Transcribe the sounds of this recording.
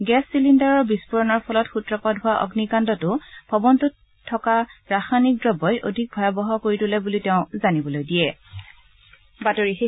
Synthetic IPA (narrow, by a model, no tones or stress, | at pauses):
ɡɛsːilindaɹɔɹbispɔɹɔnɔɹpʰɔlɔtxutɹɔpadɦʊwaʔɔ̰ɡnikandɔtʊb̥ʱɔbɔntutʰː | ɔkaɹaxanik̚dɹɔbɔjʔodʱik̚bʱɔjabɔɦɔkoɹitʊlɛbuliteʊ̃zanibɔlojdijɛ | batoɹixi